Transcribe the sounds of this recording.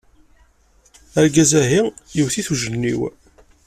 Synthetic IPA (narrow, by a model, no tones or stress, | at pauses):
əɾɡæzæɦijiwθiθuʒənːḭw